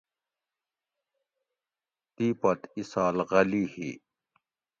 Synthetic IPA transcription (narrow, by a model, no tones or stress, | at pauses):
t̪ipɐt̪isaːlɣɐliːhḭ